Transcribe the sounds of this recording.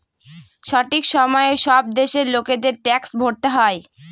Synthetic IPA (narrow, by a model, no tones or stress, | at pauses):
ʃɔʈikʃɔmɔeʃɔb̚d̪eʃeɾloked̪eɾʈɛksbʱoɾt̪eɦɔe